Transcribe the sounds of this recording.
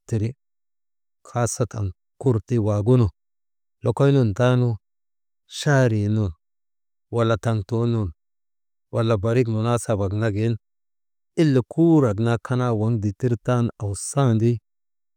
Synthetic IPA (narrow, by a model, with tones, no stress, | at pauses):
ti˨ɾi˦ | kʰa˦sa˦ta̰˨n | ku˦ɾti˦wa˨ɡu˦no˨ | lo˨ko˦jnu˦˨nta˦nu˦ | ʃa˦ɾi˨nu˨n | wa˨lːa˨ta˨ŋto˦nu˨n | wʔa˨lːa˨ba˨ɾi˦k̬nu˨na˦sa˨ba˨ɡna˦ɡe˨˦n | i˦lːi˨kʰu˦ɾa˨ɡna˦kʰa˦na˦wa˨˦ŋdi˨ti˦ɾta˦na˨wsa˦ndi˦